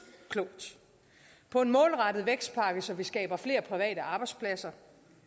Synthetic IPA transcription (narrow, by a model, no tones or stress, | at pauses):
kʰlɔːd̥ | pʰɒ̽e̝nmɔ̽ːlʁɑ̈d̥ð̞̩ˠʋeɡ̥sd̥̚pʰɑ̈ːɡ̥əsɒ̽ʋisɡ̥ɛ̰ːb̥ɐfle̝̰ːɐpʰʁiʋɛ̰ːɾəʔɑ̈ːb̥ɑ̈ɪdspʰlæsɐ